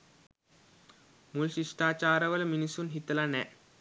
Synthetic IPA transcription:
mulɕiʂʈaːt͡ɕaːɾəʋɐlminisunɦit̪lanɛ

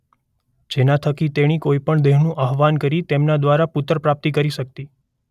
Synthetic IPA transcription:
d͡ʒenat̪ʰəkit̪eɽ̃ikoipəɳd̪eɦnũʔaɦʋankəɾit̪emnad̪ʋaɾapʊt̪ɾpɾap̚t̪ikəɾiʃək̚t̪i

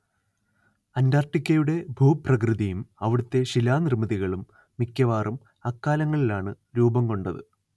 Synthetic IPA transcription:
ɐndaːrʈːikʲːɐjuɽe̞bʱuːprɐkrɨðijumɐʋiɽut̪ːe̞ɕilaːnirmɐðiɣɐɭumː | ikʲːɐʋaːrum | ɐkːaːlɐŋːɐɭilaːɳɨ | ɾuːbɐmko̞ɳɖɐðɨ̰

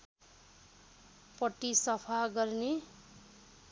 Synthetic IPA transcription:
pʌʈːisʌpʰaɡʌrne

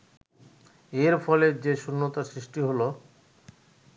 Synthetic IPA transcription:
eɾfɔled͡ʑeʃunːot̪asɾiʃʈiɦolo

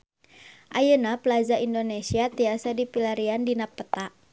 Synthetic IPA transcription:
ʔajənapəlad͡ʒaindonesiat̪iasadipilaɾiandinapːət̪aʔ

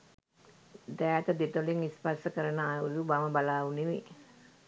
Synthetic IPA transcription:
d̪ɛːt̪əd̪et̪oliŋispasəkəɾənəauzubaməbalaːʋuneʋe

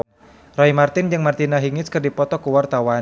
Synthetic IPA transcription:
rɔimart̪ɪnd͡ʒɨŋmart̪inaɦiŋɪskɨrdipɔt̪ɔkuwart̪awa

